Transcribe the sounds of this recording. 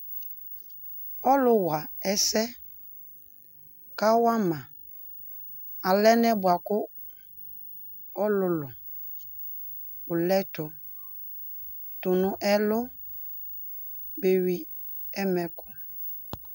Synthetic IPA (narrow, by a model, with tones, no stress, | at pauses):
ɔ˦lʊ˦wa˨ɛ˦sɛ˦ | ka˦wa˦mã˨ | a˨lɛ˦nɛ˦bwa˨kʊ˦ | ɔ˦lʊ˨lʊ˨ | ʊ˨lɛ˦tʊ˨ | tʊ˨nʊ̃˦ʔɛ˦lʊ˦ | be˨wi˦ | ɛ˦mɛ˨kʊ˨